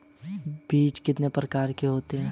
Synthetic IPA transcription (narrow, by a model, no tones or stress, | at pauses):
biːt͡ʃkɪt̪nepɾəkaːɾkeɦoːt̪eɦɛ̃ː